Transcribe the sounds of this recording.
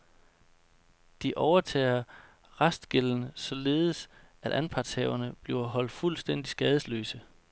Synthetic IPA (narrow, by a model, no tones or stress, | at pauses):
d̥iʔɒʊɐt͡sʰɛ̰ːɐ | ʁɑsd̥ɡ̥elən̩sɒ̽le̝ːð̩ˠsʔæd̥ænpʰɑ̈d̥shɛ̰ʊɐnəb̥liʊɐɦɒ̽l̰d̥fulsd̥en̰d̥isɡ̥ɛːð̞ˠəslø̰ːsə